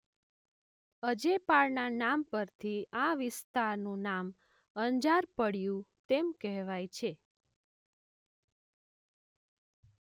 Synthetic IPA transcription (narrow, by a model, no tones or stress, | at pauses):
əd͡ʒepaɭnanampəɾt̪ʰiaʋɪst̪aɾnũnam | əɲd͡ʒaɾpəɽjũt̪emkɛɦʋajt͡ʃʰe